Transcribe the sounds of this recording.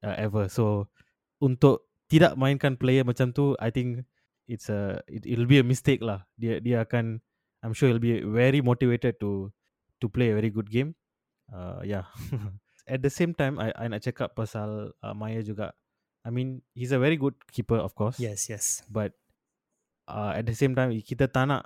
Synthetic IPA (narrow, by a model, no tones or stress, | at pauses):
ʔəʔɛvəso | ũnt̪ʊʔ̚ | t̪ida̰ʔmãjĩnkãnplejəmat͡ʃãmt̪ua̰jt̪ĩŋk | itsəḭtḭtlbiəmistek̚lahdeədeakãn | ãjmʃuilbivɛɹimotivetəd̚tu | tupleəvɛɹiɡud̚ɡẽm | a̰ja | ɛt̚d̪əsẽmtãjma̰jʔa̰jnat͡ʃɛkap̚pːasalə̰majəd͡ʒuɡa̰ʔ | ajmĩnhis̬əvɛɹiɡud̚kʰipəɔ̰fkɔsjɛsjɛsbat̚ | ʔaɛ̰t̚d̪əsẽmtãj̃mikit̪ət̪ana̰ʔ